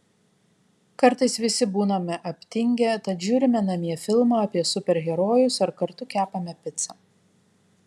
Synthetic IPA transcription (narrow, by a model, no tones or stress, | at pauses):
kɐɾt̪ɐɪsʋʲɪsʲɪbuːnɐmʲɛʔɐpʲt̪ʲɪŋʲɡʲɛt̪ɐt̪ʒʲuːɾʲɪmʲɛnɐmʲiɛfʲɪlˠmɑːɐpʲiɛsʊpʲɛɾɣʲɛɾoːjʊsɐɾkɐɾt̪ʊkʲæːpɐmʲɛpʲɪt̪sɐ